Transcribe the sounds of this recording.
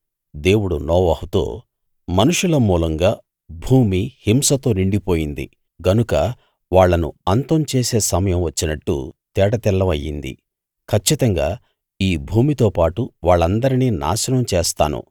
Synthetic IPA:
d̪e̞ːwuɽunɔːʋɐhut̪o̰ː | mɐnuʂulɐmuːlɐŋɡaː | bʱuːmihimsɐt̪o̞ːniɳɖipo̞ːjind̪ḭ | ɡɐnukɐ | ʋaːɭːɐnṵɐnt̪ɐmt͡ʃeːse̞ːsɐmɐjɐmʋɐt͡ʃːinɐʈːṵt̪ɛːʈɐt̪ilːɐmɐjːḭnd̪ḭ | kʰɐt͡ʃːit̪ɐŋɡaː | iːbʱuːmit̪o̞ːpaːʈuʋaːɭːɐnd̪ɐɾiniːna̰ːʃɐnɐmt͡ʃeːst̪a̰ːnṵ

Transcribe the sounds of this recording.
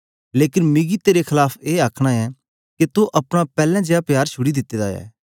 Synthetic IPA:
leːkɪnmɪɡit̪eːɾekʰɪlaːpʰeːaːkʰɽ̃aɛː | ket̪oʔɐpɽ̃apɛːlɛ̃ːd͡ʒeːapjaːɾt͡ʃʰʊɽid̪ɪt̪ːeːd̪aːɛ̰ː

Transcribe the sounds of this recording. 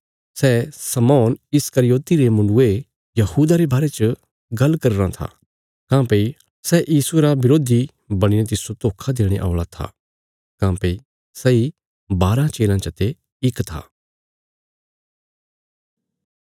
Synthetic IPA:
sɛːsɐmɔːnɪskɐɾɪjoːt̪iɾemɐnʊe | jɐhuːd̪aɾebaːɾet͡ʃə | ɡɐlkɐɾɾãt̪ʰa̰ | kãːpei | sɛʔjiːsueɾabɪɾoːd̪ʱi | bɐɽ̃inẽt̪ɪsot̪oːkʰad̪eːɽ̃eʔa̰ːɭat̪ʰa̰ | kãːpei | sɛi | baːɾãt͡ʃeːlãt͡ʃɐt̪e | ɪkt̪ʰa̰ː

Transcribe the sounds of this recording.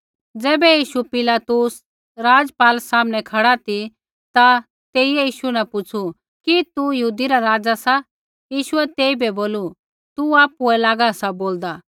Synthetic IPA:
d͡zɛːbɛjiːʃupɪlaːt̪us | ɾaːd͡zpaːlsaːmnɛkʰɐɽat̪i | t̪a | t̪eːiɛjiːʃunapʊt͡sʰu | kit̪ujəɦuːd̪iɾaɾaːd͡zasa | jiːʃʊɛt̪eːibʱɛboːlu | t̪uaːpuɛlaːɡasaboːld̪a

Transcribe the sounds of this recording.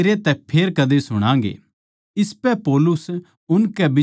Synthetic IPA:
ɾet̪ɛpʰeːɾkɐd̪esʊɽ̃ãːŋɡḛː | ɪspɛpoːlʊs | ʊnkɛbɪ

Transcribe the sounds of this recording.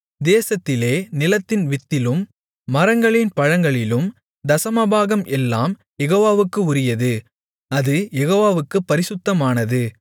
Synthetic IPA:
d̪eːsɐt̪ːɪleːnɪlɐt̪ːɪnʋɪt̪ːɪlɯmː | ɐɾɐŋɡɐɭɪnpɐɻɐŋɡɐɭɪlɯm | d̪ɐsɐmɐbaːɣɐmʔɛlːaːm | jɛɣoːʋaːʋɯkːɯʊɾɪjɐðɯ | ɐðɯjɛɣoːʋaːʋɯkːɯpːɐɾɪsɯt̪ːɐmaːnɐðɯ

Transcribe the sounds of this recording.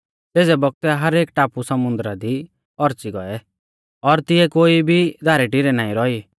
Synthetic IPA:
teːd͡zɛbɔk̚t̪ɛɦɐɾeːk̚ʈaːpusɐmʊ̃nd̪ɾad̪i | ɔɾt͡siɡɔɛ | ɔɾt̪ɪɛkoːibʱid̪ʱaːɾɛʈiɾɛnaːĩɾɔi

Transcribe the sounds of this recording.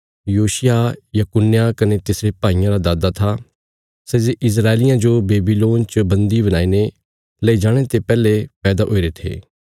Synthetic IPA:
juːʃɪjajɐkʊnːjakɐnet̪ɪsɾepaːijãɾad̪aːd̪at̪ʰa | sɛzeʔɪs̬ɾaːelɪjãd͡ʒobeːbiloːnt͡ʃəbɐ̃nd̪iβɐñaːine | lɐid͡ʒaːɽ̃et̪epɛːlepɛːd̪aʔo̰ːiɾet̪ʰḛː

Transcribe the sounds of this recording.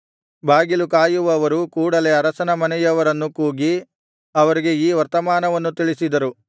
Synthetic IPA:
bʱaːɡilukaːjuʋɐːʋɐɾukuːɽɐle̞ɐɾɐsɐnɐmɐnɛjɐʋɐɾɐnːukuːɡi | ɐʋɐɾiɡe̞iːʋɐɾt̪ɐmaːnɐʋɐnːut̪iɭisid̪ɐɾu

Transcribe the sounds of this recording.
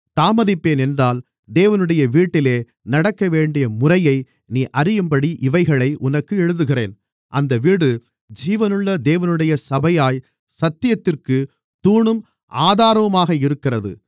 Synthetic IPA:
t̪aːmɐðɪpːeːnɛndraːl | d̪eːʋɐnɯɽɐjɐʋiːʈːɪleː | nɐɽɐkːɐʋeːɳɖɪjɐmʊrɐjɐɪ | niːʔɐɾɪjɯmbɐɽiʔɪʋɐɪɣɐɭɐɪʔʊnɐkːɯɛɻɯðɯɣɪrḛːn | ʔɐnd̪ɐʋiːɽɯ | d͡ʒiːʋɐnɯɭːɐd̪eːʋɐnɯɽɐjɐsɐbɐjaːj | sɐt̪ːɪjɐt̪ːɪrkɯ | t̪uːɳɯm | ʔaːðaːɾɐʋɐmaːɣɐɪɾɯkːɪrɐðɯ̰

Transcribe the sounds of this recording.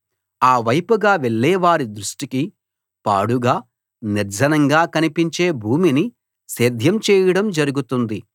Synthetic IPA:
aːʋɐjpuɡaːʋeɭːɛːʋaːɾid̪ɾuʂʈiki | pa̰ːɽuɡaː | niɾd͡ʒɐnɐŋɡaːkɐnipiɲt͡ʃeːbʱuːmini | seːd̪ʱjɐmt͡ʃɛːjɐɽɐmd͡ʒɐɾuɡut̪und̪i

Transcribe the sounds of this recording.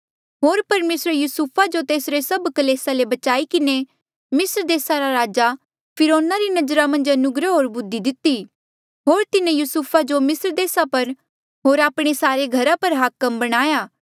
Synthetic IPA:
ɦoːɾpɐɾmeːsɾjuːsupʰad͡ʒot̪eːsɾesɐbkɐleːsalebɐt͡ʃaːikɪne | mɪsɾd̪eːsaɾaɾaːd͡ʒa | pʰɪɾoːnaɾinɐd͡ʒɾamɐ̃nd͡ʒɐnʊɡɾəɦoːɾbʊd̪ːid̪ɪt̪ːi | ɦoːɾt̪ɪnẽjusupʰad͡ʒomɪsɾd̪eːsapɐɾ | ɦoːɾaːpɽ̃esaːɾeɡʱɐɾapɐɾɦaːkəmbɐɽ̃aːjaː

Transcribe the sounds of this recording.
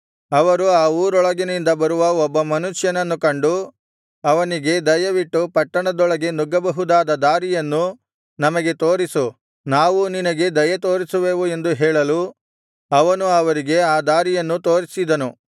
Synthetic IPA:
ɐʋɐɾuaːuːɾɔɭɐɡinind̪ɐbɐɾuʋɐɔbːɐmɐnuʂjɐnɐnːukɐɳɖu | ɐʋɐniɡe̞d̪ɐjɐʋiʈːupɐʈːɐɳɐd̪ɔɭɐɡe̞nuɡɐbɐɦud̪aːd̪ɐd̪aːɾijɐnːu | nɐmɐɡe̞t̪o̞ːɾisu | naːʋuninɐɡe̞d̪ɐjɐt̪o̞ːɾisuʋeːʋue̞nd̪uɦɛːɭɐlu | ɐʋɐnuɐʋɐɾiɡe̞aːd̪aːɾijɐnːut̪o̞ːɾisid̪ɐnu

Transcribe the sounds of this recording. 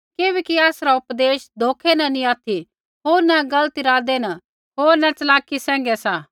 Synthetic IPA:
keːbeːkiaːsɾaʊpd̪eːʃd̪ʱoːkʰenɐnĩaːt̪ʰi | ɦoːɾnɛ̃ɡɐlt̪iɾaːd̪enɐ | ɦoːɾnɛ̃t͡sɐlaːkːisɛ̃ːŋ̆ɡɛsaː

